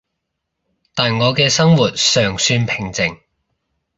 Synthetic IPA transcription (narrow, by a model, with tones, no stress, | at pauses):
t̪aː˨nŋɔː˨˧kɛː˧sɐ˥ŋwuː˨˩t̚sœː˨˩ŋsyː˧npʰɪ˨˩ŋt͡sɪ˨˩ŋ